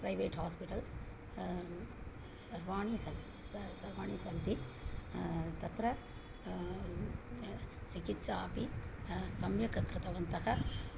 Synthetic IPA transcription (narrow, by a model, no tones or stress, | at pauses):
pɾɐjʋeːʈhaːspiʈɐls | sɐɾʋaːɳisɐn | sɐɾʋaːɳisɐnt̪i | t̪ɐt̪ɾɐ | t͡ʃikit̪ːʃaːpisɐmjɐkɐkɾɪt̪ɐʋɐnt̪ɐɦɐ